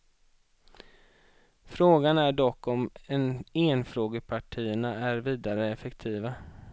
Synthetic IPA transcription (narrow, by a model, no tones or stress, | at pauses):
fɾoːɡanæɖɔkːɔmɛneːnfɾoːɡəpʰaʈʰiːəɳaæɾviːd̪aɾəɛfɛkt̪ʰiːva